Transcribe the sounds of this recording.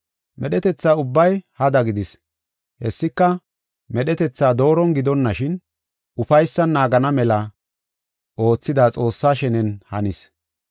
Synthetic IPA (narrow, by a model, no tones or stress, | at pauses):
mʔɛɗɛt̪ɛt͡sːaːʊbːɐjhɐd̪ɐɡɪd̪ɪs | hɛsːɪkːɐ | mɛɗɛt̪ɛt͡sːaːd̪o̞ːɾɔnɡɪd̪ɔnːɐʃɪn | ʊfɐjsːɐnːaːɡɐnɐmɛlɐ | ʔo̞ːt͡sːɪd̪at͡sʼo̞ːsːaːʃɛnɛnhɐ̰nɪs